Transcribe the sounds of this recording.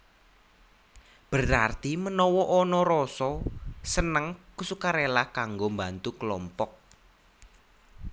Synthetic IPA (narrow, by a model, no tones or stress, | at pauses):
b̥əɾart̪imənɔwɔʔɔnɔɾɔsɔsənəŋkusukaɾelahkaŋɡombant̪ukəlɔmpɔk̚